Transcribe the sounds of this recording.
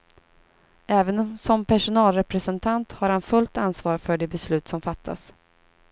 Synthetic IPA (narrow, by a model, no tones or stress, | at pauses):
ɛːvənsɔmpʰæʂʊnɑːlɾɛpɾɛsɛnt̪ʰant̪haɾhanfɵlt̪ansvɑːɾfœɖɛbɛslʉ̟ːt̪sɔmfat̪ʰːa̰s